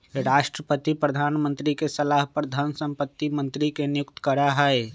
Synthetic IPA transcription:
ɾaːʃʈɾəpət̪ipɾəd̪ʱaːnmənt̪ɾikesəlaɦpəɾd̪ʱənsə̃mpət̪ːimə̃nt̪ɾikenjʊk̚t̪ə̥kəɾaɦɛe

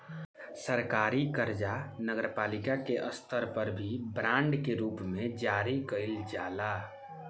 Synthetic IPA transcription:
səɾkaːɾikəɾd͡ʒanəɡəɾpaːlɪkakeʔəst̪ʰəɾpəɾbʱibɾãːɳɖkeɾuːpmẽd͡ʒaːɾikəɪld͡ʒaːla

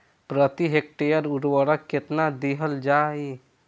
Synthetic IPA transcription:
pɾət̪iɦek̚ʈejəɾuɾwəɾəkːet̪nad̪eɦəld͡ʒaj

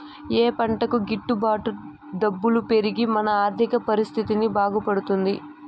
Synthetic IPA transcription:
eːpɐɳʈɐkuɡiʈːubaːʈu | d̪ɐbːulupe̞ɾiɡimɐnɐaːɾd̪ʱikɐpɐɾist̪ʰit̪inibaːɡupɐɽut̪und̪i

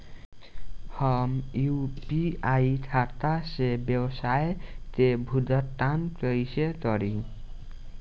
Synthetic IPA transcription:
hʌmuwpiaiʈʰat̪asebjʌwsaet̪ebʱud̪ʌt̪ːankʌjset̪ʌɾi

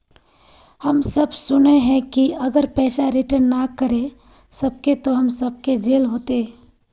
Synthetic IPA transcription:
hɐmsɐbsʊneɦɛ̃kiɐɡəɾpɛːsaɾɪʈəɾnnakəɾe | sɐb̚ket̪oɦɐmsɐb̚ked͡ʒeːlɦoːt̪eɛ

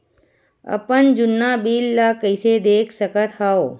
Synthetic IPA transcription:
ə̰pənd͡ʒʊnːabiːlːakəɪsed̪eːkʰsəkət̪haoː

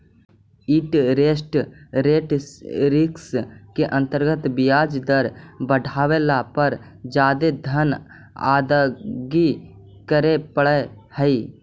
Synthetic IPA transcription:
iʈɾeːsʈɾeːʈɾɪkskeʔə̃nt̪əɾɡət̪bɪjaːd͡ʒd̪əɾbəɖʱaːwelapəɾ | d͡ʒaːd̪ed̪ʱən | a̰ːd̪əɡi | kəɾepəɽə | həi

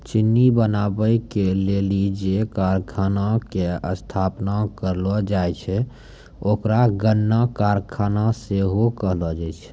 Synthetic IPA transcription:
t͡ʃinːibənabəjkelelid͡ʒekaɾkʰanakeə̰st̪ʰapnakəɾlɔd͡ʒajt͡ʃʰɛ | okɾaɡənːakaɾkʰanaseɦokəɦlɔd͡ʒɛt͡ʃʰ

